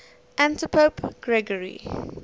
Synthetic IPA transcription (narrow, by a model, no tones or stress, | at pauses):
ʔæ̃ntəpʰopɡ̥ɹɛɡəɹḭ